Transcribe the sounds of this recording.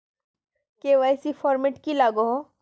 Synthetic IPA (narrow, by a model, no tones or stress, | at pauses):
keʋɛːsifʰɔːɾmeʈkilaːɡoɦõ